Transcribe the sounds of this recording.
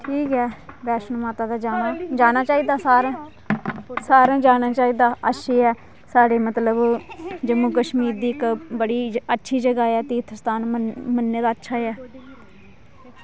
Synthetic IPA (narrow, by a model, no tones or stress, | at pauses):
ʈʰiːkɛːbɛːʃənmaːt̪aːd̪aːd͡ʒaːnaːd͡ʒaːnaːt͡ʃaːiːd̪aːsaːɾãː | saːɾãːd͡ʒaːnaːt͡ʃaːiːd̪aːəʃʰiːɛː | saːɖeːmət̪ləbd͡ʒəmũːkəʃmiːɾd̪iːɪkbəɽiːətːʃʰiːd͡ʒəɡaːɛːt̪iːt̪ʰəst̪aːnəmənːeːd̪aːətːʃʰaːɛː